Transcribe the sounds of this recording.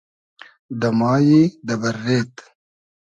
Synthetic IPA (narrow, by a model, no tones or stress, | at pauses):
d̪ɐmɑːjid̪ɐbɐɾːeːt̪